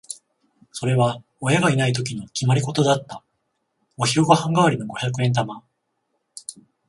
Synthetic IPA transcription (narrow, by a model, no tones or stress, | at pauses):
so̞ɾe̞βa | ojaɡainait̪̬o̞k̬ʲinokʲimaɾʲiko̞t̪o̞d̪at̪ːa | o̞çioɡahãŋɡaβaɾʲino̞ɡo̞çʲakɯ̟ẽ̞nt̪ama